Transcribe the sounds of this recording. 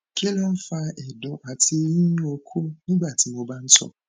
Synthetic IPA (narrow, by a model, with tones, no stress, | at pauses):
kʰe˦la˦m̩˦fa˦ʔe˨dɔ˨ʔa˨tʰe˦ji˦ɲ˦o˨kʰu˦ni˦ɡ͡ba˨tɪ˨m˨o˨ba˦n̩˦tɔ̰˨